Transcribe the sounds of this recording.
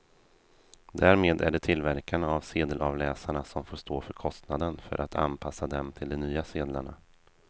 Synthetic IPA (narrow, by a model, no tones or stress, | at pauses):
d̪æːɾmeːd̪æ̰ɖɛt̪ʰɪlvæɾkanavseːd̪əlʔɑvlɛːsaɳasɔmfoːʂt̪oːfœɾkʰɔst̪nad̪ənfœ̰ɾʔat̪ʰa̰npʰasːad̪ɛmt̪ʰɪld̪ɛmnyːaseːd̪la̰ɳa̰